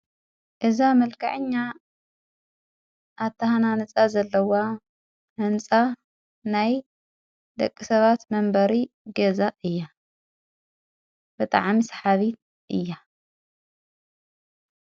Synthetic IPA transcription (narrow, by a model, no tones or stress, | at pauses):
ʔɨzamɐlkʰa̰ʕɨɲːa | ʔːt̪ʰːɐhananɨt͡sʼazɐlːɐwa | ʔɨnt͡sʼa | naj | d̪ɐkʼːisɐβat̪mɐmbɐɾi | ɡɐzaʔɨjːa | b̥ɨt̪ʼa̰ʕmisħaβit̪̚ | ʔɨ̰jːa